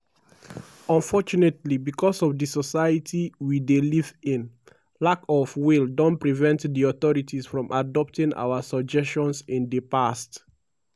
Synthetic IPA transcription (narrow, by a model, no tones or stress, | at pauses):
ɔ̃nfɔt͡ʃunetlibikʰɔsɔvdisɔsajətʰiwidelivĩn | lakɔvwildɔ̃npɹivɛ̃ntdiɔθɔɹitisfɹɔ̃mʔadɔp̚tĩŋa̰wasɔd͡ʒɛst͡ʃɔ̃nsĩndəpast